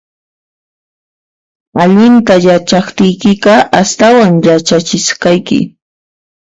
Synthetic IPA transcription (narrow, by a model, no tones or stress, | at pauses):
aʎɪnt̪ajat͡ʃɑχt̪ɪjkɪɢɑʔast̪awaŋjat͡ʃat͡ʃɪʃkɑjkɪ̰